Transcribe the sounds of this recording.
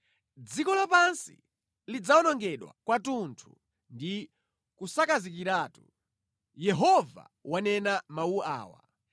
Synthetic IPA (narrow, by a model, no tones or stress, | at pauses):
d͡zikɔlapansḭ | lid͡zaɔnɔŋɡɛɗwa̰kwatuntʰṵ | ndi | kusakazik̬iɾaːtu | jɛɦɔva̰ | wanɛnamaua̰ːwa̰